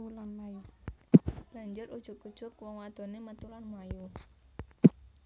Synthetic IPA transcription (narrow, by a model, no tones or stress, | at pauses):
lanmaju | laɲd͡ʒʊɾud̥ʒ̥ʊkud̥ʒ̥ʊk̚wɔŋwad̪̥o̤nemət̪ulanmaju